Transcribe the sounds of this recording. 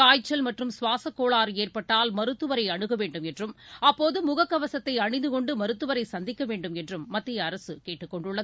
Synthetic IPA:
kaːjt͡ʃːɐlmɐʈrɯmsʊʋaːsɐkːoːɭaːɾeːrpɐʈːaːlmɐɾɯt̪ːɯʋɐɾɐɪɐɳɯɣɐʋeːɳɖɯmɛndrɯmɐpːoːðɯmʊɣɐkːɐʋɐsɐt̪ːɐɪɐɳɪnd̪ɯkɔɳɖɯmɐɾɯt̪ːɯʋɐɾɐɪsɐnd̪ɪkːɐʋeːɳɖɯmɛndrɯmːɐt̪ːɪjɐːɾɐsɯkeːʈːɯkːɔɳɖɯɭːɐ

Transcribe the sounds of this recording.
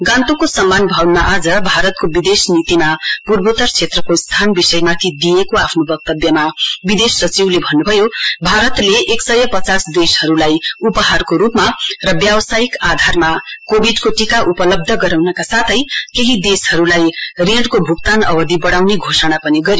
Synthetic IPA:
ɡãnt̪ukosʌmːanbʱʌwnmaʔad͡zʌbʱaɾʌt̪̚kobid̪esnit̪imapurbot̪ʌrt͡sʰet̪rʌkost̪ʰanbisʌjmat̪ʰid̪ijekoapʰnobʌk̚t̪ʌbjʌmabid̪esːʌt͡siwlebʱʌnːubʱʌjobʱaɾʌt̪leʔeksʌjʌpʌt͡sasd̪eshʌɾulajupʌɦarkoɾupmarʌbjawsajikad̪ʱarmakobʱiɖkoʈikaʔupʌlʌb̚d̪ʱʌɡʌɾawnʌkasat̪ʰʌjkeɦid̪eshʌɾulajreɽkobʱukt̪anʌbʌd̪ʱibʌɽawneɡʱosʌɽ̃apʌniɡʌɾjo

